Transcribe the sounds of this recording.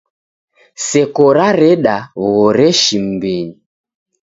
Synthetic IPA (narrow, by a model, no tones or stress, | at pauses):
sɛkɔɾaɾɛɗaβɣɔɾɛʃim̩biɲi